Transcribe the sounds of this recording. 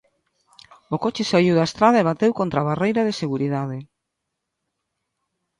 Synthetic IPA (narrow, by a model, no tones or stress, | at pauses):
okot͡ʃɪsaiwðaest̪ɾaðɐeβ̞at̪ewkont̪ɾaβarejɾɐðeseɣuɾiðað̞e